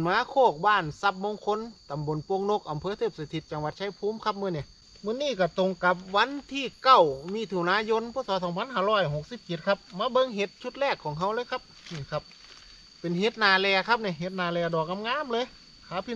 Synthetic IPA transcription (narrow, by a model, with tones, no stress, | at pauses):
nmaː˧˥kʰoː˧˩k̚baː˧˩˨nsa˧p̚moː˧˨ŋkʰo˧˥˨nt̪a˨mbo˨npo˧˨ŋno˧˥k̚ʔa˨mpʰɤː˧˦t̪ʰɤː˧˩p̚se˧t̪ʰi˧t̪̚t͡ɕa˧ŋwʋa˧˦t̪̚t͡ɕʰa˧˥˩jpʰuː˧˥˨mkʰa˧˥p̚mɯː˧˥˨ni˧˩˨ | mɯ˧˥˨niː˧˥˨ka˧˩t̪o˧˨ŋka˧˦p̚ʋa˧˥˨nt̪ʰiː˧˩ka˧˩wmiː˧˥˩t̪ʰu˧˩˨naː˧˥jo˧˥˨npʰuː˧˥˨t̚sɔː˧˦t̪ʰɔː˨˧˦ŋpʰa˧˥nhaː˧˥˨lɔː˧˥˩jɦo˧˦k̚si˧˥p̚t͡ɕe˧˦t̪̚kʰa˧p̚maː˧˥bɤ˧˨ŋɦe˧˦t̪̚t͡ɕʰu˧t̪̚lɛː˧˩kʰːɔː˨˦ŋɦa˧˥wlɤː˧˥˦jkʰa˧p̚niː˧˩kʰa˧p̚ | pe˨nɦe˧˦t̪̚naː˧˩lɛː˧kʰa˧˥p̚ni˧˩˨ɦe˧˦t̪̚naː˧˩lɛː˧˩dɔː˨˩k̚na˧˥mŋaː˧˥˨mlɤː˧˥˨j | kʰaː˨˦pʰi˧